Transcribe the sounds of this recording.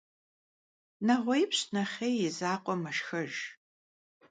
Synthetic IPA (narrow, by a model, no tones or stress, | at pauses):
nɐʁʷɔjpɕnɐχʲejɪzaːqʷʼɔmɐʃxɐʒ